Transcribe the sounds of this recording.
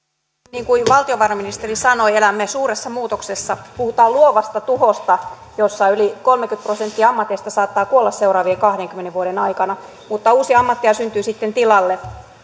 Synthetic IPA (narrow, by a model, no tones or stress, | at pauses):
niːŋkuiʋɑlt̪ioʋɑrɑminist̪erisɑno̞ielæmːesuːresːɑmuːt̪oksesːɑpuhut̪ɑːluoʋɑst̪ɑt̪uhost̪ɑ | josːɑylikolmekyt̪prosent̪ːiɑmːɑt̪est̪ɑsɑːt̪ːɑːkuolːɑsseuɾɑːʋiekɑhdeŋkymːeneʋʋuoɾenɑikɑnɑ | mut̪ːɑuːsiɑmːɑt̪ːiɑsynt̪yːsit̪ːent̪ilɑlːe